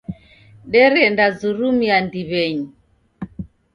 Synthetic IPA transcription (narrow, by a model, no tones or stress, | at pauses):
ɗɛɾɛndazuɾumiandiβɛɲi